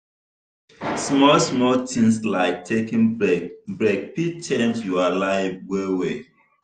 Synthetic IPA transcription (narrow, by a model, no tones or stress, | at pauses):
smɔlsmɔltĩŋslaɪk̚tʰekĩŋbɹeɡ̚pit͡ʃɛ̃ntjualaɪfwewe